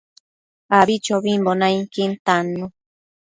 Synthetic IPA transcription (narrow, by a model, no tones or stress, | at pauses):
aβit͡ʃoβimbonãiŋkint̪anũ